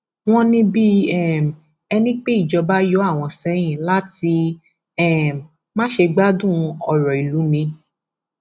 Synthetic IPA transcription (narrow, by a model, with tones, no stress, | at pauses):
w̃ɔ̃˦nĩ˦bi˦ɛ˦˨m˨ | ɛ˧nĩ˦k͡pe˦i˦˨d͡ʒɔ˧ba˦jɔ˨˦a˦˨w̃ɔ̃˧sɛ˨˦j̃ĩ˦˨la˦ti˧ | ɛ˦˨ | mã˦ʃe˧ɡ͡ba˦dũ˦˨˧ɔ˧ɾɔ˨i˨lu˨˦nĩ˧